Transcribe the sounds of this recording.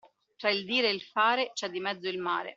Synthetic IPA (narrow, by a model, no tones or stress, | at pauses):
t̪ɾaild̪iːɾeilfaːɾet͡ʃɛd̪ːimɛd̪zːoilma̰ːɾḛ